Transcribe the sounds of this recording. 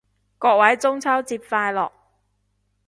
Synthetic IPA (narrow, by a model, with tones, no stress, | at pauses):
kɔː˧k̚wɐ˨˥jt͡sʊ˥ŋt͡sʰɐ˥wt͡siː˧p̚faː˧jlɔ̰ː˨k̚